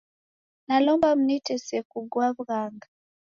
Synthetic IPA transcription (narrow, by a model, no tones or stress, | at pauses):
nalɔmbam̩nitɛsɛkuɡwaβɣaŋɡa